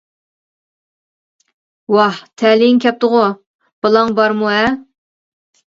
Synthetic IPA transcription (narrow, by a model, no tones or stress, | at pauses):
wɑht̪ʰɛlɪŋkʲɛp̚t̪ʊʁʊ | b̥ɨlˠɑŋbɑɾmuɛ